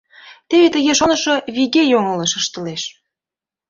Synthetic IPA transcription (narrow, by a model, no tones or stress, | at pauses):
t̪eβet̪əɣeʃonəʃoβiɣejoŋələʃəʃt̪əleʃ